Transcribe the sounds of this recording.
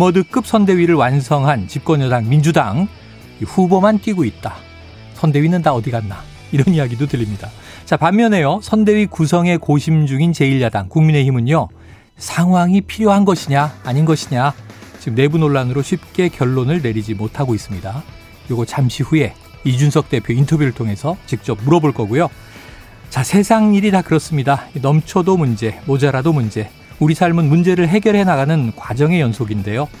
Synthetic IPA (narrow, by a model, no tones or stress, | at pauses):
mʌdɯk͈ɯp̚s͈ʰʌnde̞ɥiɾɯɭwansʰʌŋɦant͡ɕip̚k͈ʌɲʌdaŋmind͡ʑudaŋ | iɸubomank͈iɡoit̚t͈a | sʰʌnde̞ɥinɯntaʌdiɡanːa | iɾʌnijaɡidotɯʎːimɲida | t͡ɕapamːjʌne̞josʰʌnde̞ɥikusʰʌŋe̞koɕʰimd͡ʑuŋint͡ɕe̞iʎjadaŋkuŋmine̞çimɯɲjo | sʰaŋɦwaŋipʰiɾjoɦanɡʌɕʰiɲaːɲinɡʌɕʰiɲat͡ɕiɡɯmne̞bunoɭːanɯɾoɕʰɥip̚k͈e̞kjʌɭːonɯɭne̞ɾid͡ʑimotʰaɡois͈ɯmɲida | joɡʌt͡ɕamɕʰiɸue̞ | id͡ʑunsʰʌk̚t͈e̞pʰjointʰʌbjuɾɯɭtʰoŋɦe̞sʰʌt͡ɕik̚t͡ɕ͈ʌp̚muɾʌboɭk͈ʌɡujo | t͡ɕasʰe̞sʰaŋɲiɾitakɯɾʌs͈ɯmɲidanʌmt͡ɕʰodomund͡ʑe̞mod͡ʑaɾadomund͡ʑe̞ | uɾisʰaɭmɯnmund͡ʑe̞ɾɯɭɦe̞ɡjʌɭɦe̞naɡanɯnkwad͡ʑʌŋe̞jʌnsʰoɡinde̞jo